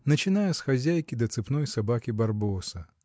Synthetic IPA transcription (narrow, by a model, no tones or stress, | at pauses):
nɐt͡ʃɪnajɛsxazʲæjkʲɪd̪ɐt̪sɨpnɔjsabakʲibarbɔsɐ